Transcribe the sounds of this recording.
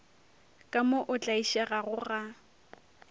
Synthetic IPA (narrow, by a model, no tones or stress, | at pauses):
kʼamoʔʊt͡ɬʼaiʃɛɣaɣʊɣa